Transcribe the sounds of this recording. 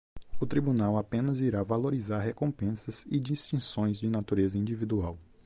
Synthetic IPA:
ʊt̪ɾibunawapẽnɐziɾavaloɾizaɾhekõmpẽsɐzɪd͡ʒist͡ʃĩsõj̃zd͡ʒɪnat̪uɾezɐĩd͡ʒivid̪uaw

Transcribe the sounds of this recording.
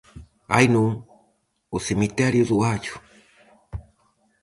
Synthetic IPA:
a̰jnu | usimitɛɾiuzuwat͡ʃu̥

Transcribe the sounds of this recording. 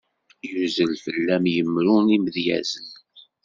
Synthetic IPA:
juzəlfəlːæmjəmɾunimðjæ̰zən

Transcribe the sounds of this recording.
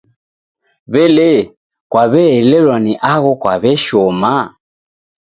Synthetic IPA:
βɛlɛ | kwaβɛɛlɛlwaniʔaɣɔkwaβɛʃɔma

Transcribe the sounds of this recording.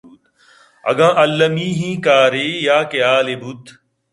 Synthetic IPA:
d̪ | ɐ̰ɡãːʔɐlːɐmiːɦĩːkaːɾeːjaːkɐjaːleːbut̪

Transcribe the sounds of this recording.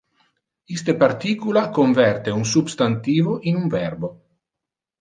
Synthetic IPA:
ist̪epart̪iːkulakoɱvɛrt̪eunsubst̪ant̪iːvoʔinuɱvɛrbo

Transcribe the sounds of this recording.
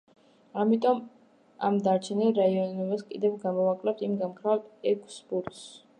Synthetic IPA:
amit̪ʼɔm | a̰md̪aɾt͡ʃʰɛnilɾaiɔnɛbaskʼid̪ɛvɡamɔvakʼlɛp̚t̪ʰimɡamkʰɾat̪ɛkʰʼsbuɾt̪s

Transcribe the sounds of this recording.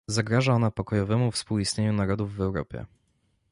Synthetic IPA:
zaɡɾaʐaɔnapɔkɔjɔvɛmufspuwist̪ɲeɲunaɾɔd̪uvːɛwɾɔpʲjɛ̰

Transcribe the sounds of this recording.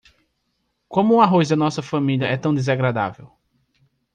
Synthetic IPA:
kõmʊũaɦozd̪ɐnɔsɐfɐ̃miliɐɛt̪ɐ̃w̃d̪ezaɡɾad̪a̰vḛw

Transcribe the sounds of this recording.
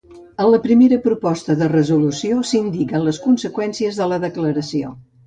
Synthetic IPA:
ənləpɾimeɾəpɾupɔst̪əðərəzulusiosind̪ikənləskunsəkwɛnsiəzðələðəkləɾəsio̰

